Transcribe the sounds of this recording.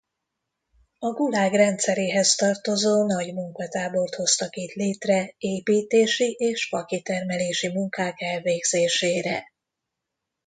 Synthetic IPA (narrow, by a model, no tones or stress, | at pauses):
ɒɡulaːɡrɛnt̪sɛɾeːɦɛst̪ɒrt̪o̞zoːnɒɟmuŋkɒt̪aːbo̞rt̪ho̞st̪ɒkit̪leːt̪rɛeːpiːt̪eːʃiʔeːʃpɒkit̪ɛrmɛleːʃimuŋkaːkɛlveːɡz̥eːʃeːɾɛ̰